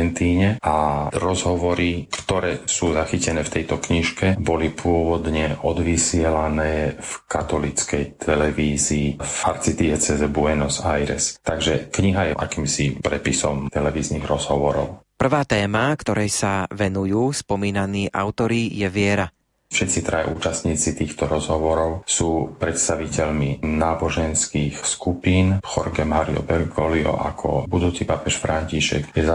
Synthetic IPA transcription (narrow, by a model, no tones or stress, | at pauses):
ɛnt̪iːɲɛʔaɾɔzɦɔʋɔɾikt̪ɔɾɛːsuːzaxicɛnɛːft̪ɛjt̪ɔkɲiʃkɛbɔlipʰʊɔʋɔd̪ɲɛʔɔd̪ʋisɪɛlanɛːfkat̪ɔlit͡skɛjt̪ʰɛlɛʋiːziːfaɾt͡sit̪iɛt͡sɛzɛbuɛnɔsajɾɛ̰st̪aɡʒɛkɲiɦajɛʔa̰kiːmsipɾɛpisɔmt̪ɛlɛʋiːzniɣɾɔzɦɔʋɔɾɔ̰ʊpr̩ʋaːt̪ɛːmakt̪ɔɾɛjsaʋɛnujuːspɔmiːnaniːʔa̰ʊt̪ɔɾijɛʋɪɛɾa | fʃɛt̪t͡sit̪ɾaʔṵːt͡ʃast̪ɲiːt͡sit̪iːxt̪ɔɾɔzɦɔʋɔɾɔʊsuːpɾɛt̪st̪aʋicɛʎminaːbɔʒɛnskiːxskupiːnxɔɾɡɛmaɾiɔ̰bɛɾɡɔliɔ̰ʔakʰɔ̰bud̪uːt͡sipapɛʃfɾaɲciʃɛ̰kjɛza